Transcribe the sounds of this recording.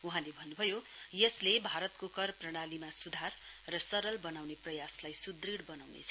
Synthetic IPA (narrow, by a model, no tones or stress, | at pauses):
uɦãlebʱʌnːubʱʌjo | jʌslebʱaɾʌt̪kokʌrprʌɽ̃alimasud̪ʱarː | ʌsʌɾʌlbʌnawneprʌjaslajsud̪riɽbʌnawnḛt͡sʰʌ